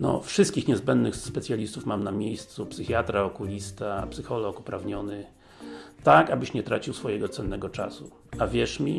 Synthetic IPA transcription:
nɔ̰fʂɨst̪kʲixɲɛzbɛnd̪nɘxspɛt̪sʲjalʲist̪ufmamnamʲejst̪supsɘxʲjat̪ɾaɔkulʲist̪apsɘxɔlɔkupɾavɲɔnɘ | t̪akabɘɕɲɛt̪ɾat͡ɕiwsfɔjɛɡɔt̪sɛnːɛɡɔt͡ʂa̰su | avʲjɛʂmʲi

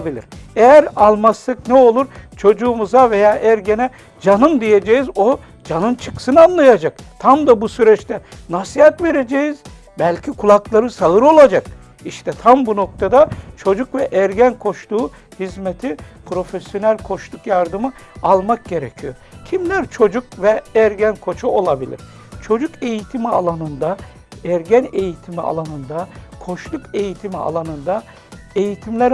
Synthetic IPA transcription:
bilʲḭɾejæɾalˠmasːaknɛo̞lˠuɾt͡ʃʰo̞d͡ʒuːmuzave̞jaːʔæɾɟenɛ | d͡ʒanɯmd̪ije̞d͡ʒejizo | d͡ʒanɯnt͡ʃʰɯksɯnanlˠajad͡ʒakt̪ʰamd̪abusyɾɛt͡ʃt̪ʰɛnasiɦhat̪ve̞ɾe̞d͡ʒejiz | bælʲcʰikʰulˠaklˠaɾɯsaɯɾo̞lˠad͡ʒak | iʃt̪ʰɛt̪ʰambuno̞k̚t̪ʰad̪at͡ʃʰo̞d͡ʒukvɛʔæɾɟænkʰo̞ʃt̪ʰuː | hizmet̪ʰipʰɾo̞fesjo̞nælʲkʰo̞ʃlˠukjaɾd̪ɯmɯ | alˠmak̚ɟe̞ɾecʰijoɾcʰimlʲæɾt͡ʃʰo̞d͡ʒukvɛæɾɟænkʰo̞t͡ʃʰuo̞lˠabilʲḭɾ̥ | t͡ʃʰo̞d͡ʒuke̞jit̪ʰimialˠanɯnd̪a | æɾɟæne̞jit̪ʰimia̰lˠanɯnd̪akʰo̞ʃlˠuke̞jit̪ʰimia̰lˠanɯnd̪a | e̞jit̪ʰimlʲæɾ

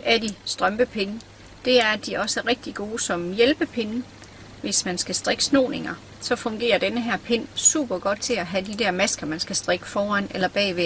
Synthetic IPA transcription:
æɐd̥isd̥ʁɶmb̥əpʰe̝n | d̥e̝æɐd̥iʔɒ̽səæʁeɡ̥̚d̥iɡ̥o̝ːsɒ̽mjelb̥əpʰe̝n | ʋe̝smænsɡ̥æsd̥ʁeɡ̥əsno̝̰ːne̝ŋɐ | sɒ̽fɒ̽ŋɡ̥e̝̰ːɐd̥enəɦæɐ̰pʰe̝nsṵːb̥ɐɡ̥ɒ̽d̥̚t͡sʰe̝æɦæd̥id̥æɐ̰mæsɡ̥ɐmænsɡ̥æsd̥ʁeɡ̥ə̥fɒːæn̰elɐb̥ɛ̰ːʋe

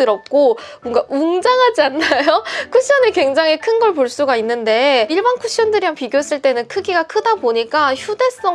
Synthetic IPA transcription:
ɯɾʌp̚k͈o | munɡaʔuŋd͡ʑaŋɦad͡ʑianːajokʰuɕ͈ʌnekwe̞ŋd͡ʑaŋɦekʰɯnɡʌɭpoɭs͈uɡainːɯnde̞iɭbankʰuɕ͈iʌndɯɾiɦanpiɡjoes͈ɯɭt͈e̞nɯnkʰɯɡiɡakʰɯdaboɲik͈açjude̞s͈ʌ

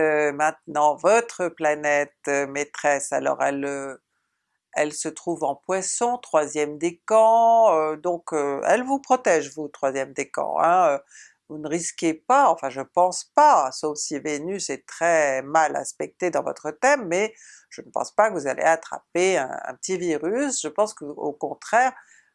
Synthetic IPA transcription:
ømɛ̃t̪nɑ̃vɔt̪χəplanɛt̪ømet̪χɛsa̰lɔ̰ʁɛlø | ɛlsət̪χuvɑ̃pwasɔ̃t̪χwazjɛmd̪ekɑ̃ød̪ɔ̃køɛ̰lvupχɔt̪ɛʒvut̪χwazjɛmd̪ekɑ̰̃ɛ̰̃ø | vunəʁiskʲepaɑ̃fɛ̃ʒəpɑ̃spasofsivenysɛt̪χɛmala̰spɛk̚t̪ed̪ɑ̃vɔ̰t̪χət̪ɛmːɛ | ʒ̥ənəpɑ̰̃spakəvuzalʔḛat̪χa̰peɛ̰̃ɛ̰̃pə̥t̪iviʁysʒ̥əpɑ̃skəokɔ̃t̪χɛːʁ

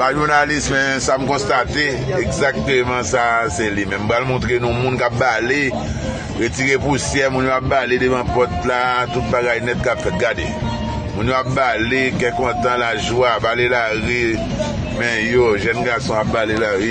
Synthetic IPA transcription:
paʒuʁnalismɛ̃sam̩kɔ̃st̪at̪e | ɛɡzak̚t̪əmãsaselimɛ̃m̩pɣalmɔ̃t̪ʁenũmũnkap̚bale | ɣetiʁepusjɛmũnjowap̚baledəvãpɔt̪lat̪ut̪̚baɡajnɛt̪̚kapfɛt̪̚ɡade | mũnjoap̚balekɛ̃kɔ̃t̪ãlaʒuabalelaʁi | mɛ̃joʒɛnɡasɔ̃ap̚balelaɣi

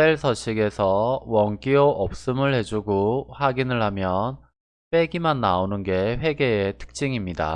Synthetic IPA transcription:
teɭsʰʌɕ͈ʰiɡe̞sʰʌwʌŋk͈ioʔʌp̚s͈ɯmɯɭhe̞d͡ʑuɡoɸaɡinɯɭhamjʌn | p͈e̞ɡimanːaonɯnɡe̞ɸwe̞ɡe̞etʰɯ̥k̚t͡ɕ͈iŋimɲida̰

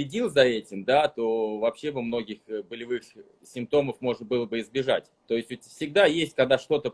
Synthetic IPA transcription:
ɪdʲilˠzɐɛtʲɪmd̪at̪o̞vɐpɕːe̞vɐmno̞ɡʲɪxbəlʲɪvɨx | sʲɪmp̚t̪o̞məfmo̞ʐnəbɨlˠəbɨɪzbʲɪʐatʲt̪o̞ɪsʲtʲʊtʲfsʲɪɡ̚d̪ajesʲtʲkɐɡ̚d̪aʂt̪o̞t̪ə

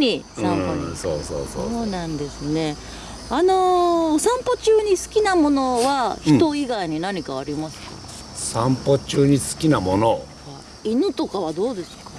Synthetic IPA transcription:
ɲisãso̰ːso̰ːsooːnãnd̪e̞sɨne̞ | ano̞sãmpot͡ɕɨːɲ̟isɨ̥kʲinamono̞βaçi̥t̪o̞iɡaiɲ̟inaɲ̟ikaaɾʲimasɨ̥kḁ̰ | sãmpot͡ɕɨːɲ̟isɨ̥kʲinamo̞no | ha | inɯt̪o̞kaβ̞ad̪o̞ːd̪e̞sɨ̥kḁ

